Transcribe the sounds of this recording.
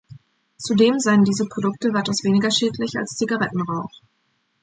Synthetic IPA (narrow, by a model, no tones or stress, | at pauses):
t͡sudeːmzaɪəndiːzəpʁ̥odʊk̚təvaɪtaʊsv̥eːnɪɡɐʃeːtlɪça̰lst͡siɡaʁɛtn̩ʁaʊx